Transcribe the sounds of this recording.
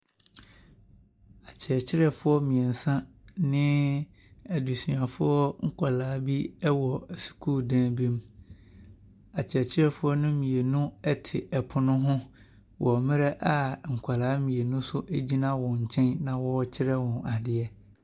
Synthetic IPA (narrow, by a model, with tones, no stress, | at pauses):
a˨t͡ɕʰɪ˨ɾɛ˨t͡ɕʰɪ˦ɾɛ˨fʊ˦ɔ˦mĩ˨ɛ˨n̩˨sã˦nɪ̃˦ | ɛ˨du˨si˨ã˨fʊ˦ɔ˦ŋ̩˦kʰa˨laː˨˦bi˦ɛ˦wɔ˨ɛ˨su̥˨kʰuː˦˨dãː˦bĩ˦m | a˨t͡ɕʰɛ˨t͡ɕʰɪ˦ɾɛ˦˨fʊ˦ɔ˦nʊ̃˦mĩ˨e˨nʊ̃˦ɛ˦tʰɪ˨ɛ˨pʰʊ˨nʊ̃˦ɦʊ̃˦ | wʔɔ˨mɪ̃˦ɾɛ˦ʔa˨ŋ̩˨kʰʷa˨laː˨˦mĩ˨e˨nʊ̃˦sʊ˦ʔæ˦d͡ʑi˦nã˦wɔ̃˨ɲ̩˨t͡ɕʰɛ̃˦nnã˨wɔ˦t͡ɕʰɪ˦ɾɛ˦wɔ̃˨na˨dɪ˦ɛ˦